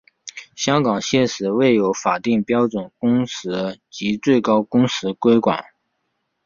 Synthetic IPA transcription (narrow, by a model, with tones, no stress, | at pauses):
ɕjɑ˥ŋkɑ˨˩ŋɕjɛ˥˩ʂɻ̩˨˥we˥˩ɪjo˧˥ʊfa˨˩t̪i˥˩ŋpjɑ˥ʊʈ͡ʂwə˨˩nkʊ˥ŋʂɹɻ̩˧˥t͡ɕi˧˥t͡swe˥˩ɪkɑ˥ʊkʊ˥ŋsɹ̩˧˥kwe˥ɪkwa̰˨˩˦n